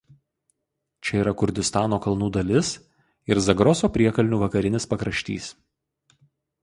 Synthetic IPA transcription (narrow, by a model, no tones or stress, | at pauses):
t͡ʃʲɛiːɾɐkʊɾʲd̪ʲɪst̪ɑːnoːkɐlˠnuːd̪ɐlʲɪs | ɪɾzɐɡɾɔːsoːpʲɾʲiɛkɐlʲnʲuːʋɐkɐɾʲɪnʲɪspɐkɾɐʃʲt̪ʲḭːs